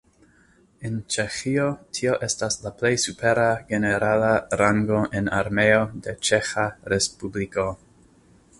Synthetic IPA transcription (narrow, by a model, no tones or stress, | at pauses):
ent͡ʃe̞xio̞tʰio̞ʔe̞staslaple̞jsupe̞ɾaɡe̞ne̞ɾalaɾaŋɡo̞ʔenaɾme̞o̞de̞t͡ʃe̞xaɾespubliko̞